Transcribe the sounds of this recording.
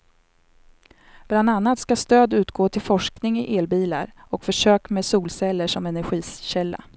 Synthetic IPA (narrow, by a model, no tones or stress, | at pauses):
b̥land̪anːat̪skast̪øːd̪ʉ̟ːt̪ɡoːt̪ʰɪlfɔʂknɪŋɪʔeːlbiːla̰ɾɔkfœʂøːkmeːsuːlsɛlːəʂɔmɛnæɾɧiːsɕɛlːa̰